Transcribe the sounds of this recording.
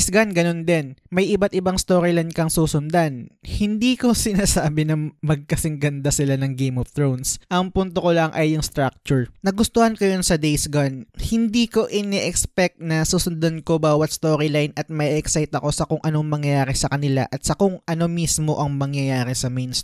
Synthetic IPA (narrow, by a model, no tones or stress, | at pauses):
sɡanɡɐno̞nd̪ɛnmɐjʔɪbat̪̚ʔɪbaŋst̪oːɾɪlɐjnkɐŋsuːsʊnd̪anhɪnd̪iːko̞sɪnaːsaːbɪnɐmɐɡ̚kɐsɪŋɡɐnd̪asɪlanɐŋɡejmoft̪ɾɹownsʔɐŋpʊnt̪okolɐŋʔɐjːʊŋst̪ɾak̚t͡ʃʊɹnɐɡʊst̪ohɐnkojonsɐd̪ejsɡanhɪnd̪iːko̞ʔɪnɛʔɛkspɛk̚t̪̚nɐsuːsʊnd̪anko̞baːwɐt̪̚st̪oːɾɪlajnʔɐt̪̚mɐʔiʔɛksajt̪ɐko̞sɐkʊŋʔɐnoŋmɐŋjɐjaːɾɛsɐkɐnɪla̰ʔɐt̪sɐkʊŋʔɐno̞mismo̞ʔɐŋmɐŋjɐjaːɾɪsɐmɛjns